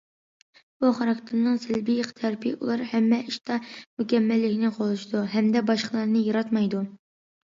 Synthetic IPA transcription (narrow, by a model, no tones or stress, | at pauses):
b̥uχɑɾɑkt̪ʰɪɾnɨŋsɪlbijqʰt̪ʰæɾpʰɪʔṵlˠɑɾhɛmːɛʔiʃt̪ʰɑmykʲɛmːælːɪkʲnɪqʰolˠuʃid̪uɦɛmd̪ɛbɑʃqəlˠɑɾnɨjɑɾɑt̪mɑjd̪u